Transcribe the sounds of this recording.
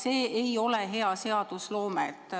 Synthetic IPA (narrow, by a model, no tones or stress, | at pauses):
se̞ːejo̞leɦe̞ɑse̞ɑd̪uslo̞ːmḛt̪ːˑ